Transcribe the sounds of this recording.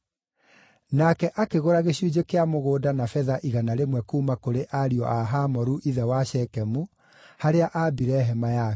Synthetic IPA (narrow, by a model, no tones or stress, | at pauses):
nakɛʔakeɣoɾaɣeɕjud͡ʑekeamoɣoːdanafɛðaʔiɣanaɾemwɛkuːmakoɾeʔaɾiɔ̰ʔaɦamɔɾuʔiðɛwaɕɛkɛmu | haɾeaʔabiɾɛɦɛmaja